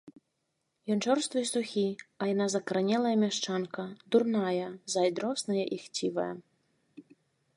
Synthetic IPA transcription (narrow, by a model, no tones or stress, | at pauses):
jɔnt͡ʂɔrst̪vɨsuxʲiɐjanazɐkɐɾɐnʲɛlˠɐjɐmʲaʂt͡ʂankɐd̪urnajɐzajd̪ɾɔsnɐjɐʔixt͡sʲivɐ̰jɐ̰